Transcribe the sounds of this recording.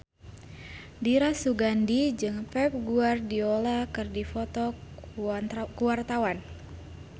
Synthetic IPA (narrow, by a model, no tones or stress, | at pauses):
diɾasuɡandid͡ʒɨŋpɛp̚ɡuardiolakɨrdifɔt̪ɔ | kuwart̪awan